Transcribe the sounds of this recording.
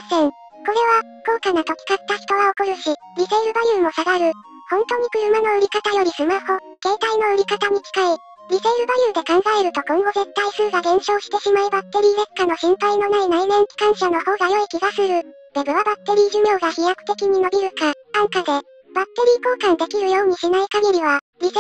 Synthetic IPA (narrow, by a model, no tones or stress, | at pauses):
sẽŋ | ko̞ɾe̞β̞a | ko̞ːkanat̪o̞kʲi̥kat̪ːaçi̥t̪o̞ɡao̞koɾɯ̟ɕi | ɾʲizeiɾɯ̟bajɯ̟ːmo̞saɡaɾɯ̟ | hõ̞nt̪o̞ːɲ̟ikɯ̟ɾɯ̟mano̞ɯ̟ɾʲikat̪ajo̞ɾʲisɨmaho | ɡ̥e̞ːt̪aino̞ɯ̟ɾʲikat̪aɲ̟ikʲi̥kai | ɾʲizeiɾɯ̟bajɯ̟ːd̪e̞kãŋ̃ɡaeɾɯ̟t̪o̞kɯ̃ŋɡo̞ze̞t̪ːaisɨːɡaɡẽ̞ɰ̃ɕo̞ːɕi̥t̪e̞ɕimaibat̪ːe̞ɾʲiːnekːano̞ɕĩmpaino̞nainainẽ̞ŋkʲi̥kãɰ̃ɕano̞ho̞ːɡajo̞ikʲiɡasɨɾɯ̟ | b̪̥e̞bɯ̟βabat̪ːe̞ɾʲiːʑɨmʲjo̞ːɡaçijakɯ̟̥t̪e̞kʲiɲ̟ino̞bʲiɾɯ̟kããŋkad̪e̞ | b̥at̪ːe̞ɾʲiːko̞ːkãnd̪e̞kʲiɾɯ̟jo̞ːɲ̟iɕinaikaɡʲeɾʲiβ̞a | ɾʲi